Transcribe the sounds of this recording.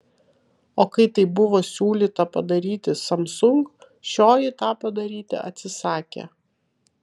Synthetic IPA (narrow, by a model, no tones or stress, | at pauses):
oːkɐɪt̪ɐɪbʊʋoːsʲuːlʲiːt̪ɐpɐd̪ɐɾʲiːt̪ʲɪsɐmsʊŋk | ʃʲoːjɪt̪ɑːpɐd̪ɐɾʲiːt̪ʲɪ̰ɐ̰t̪ʲsʲɪsɑːkʲḛ